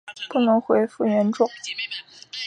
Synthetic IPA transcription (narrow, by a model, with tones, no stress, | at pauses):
pu˥˩nɤ˧˥ŋxwe˧˥ɪfu˥˩ɥɛ˧˥nʈ͡ʂʊ˥˩ŋ